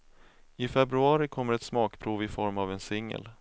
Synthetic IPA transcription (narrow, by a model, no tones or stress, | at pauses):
ɪfɛbɾɵɑːɾɪkʰɔmːəɾɛt̪smɑːkpʰɾuːvɪfɔɾmavɛnsɪŋːə̰l